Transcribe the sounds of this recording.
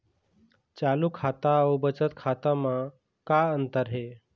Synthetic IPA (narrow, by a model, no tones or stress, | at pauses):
t͡ɕalukʰat̪aəwbət͡ɕət̪kʰat̪amã | kaənt̪əɾɦe